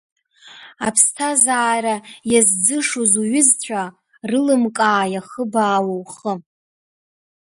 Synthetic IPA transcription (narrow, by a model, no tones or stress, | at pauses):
apʰstʰazaːɾajazd͡zɨʂozuɥɪzt͡ɕʷʰa | rɨlɨmkʼaːjaχəbaːwowχə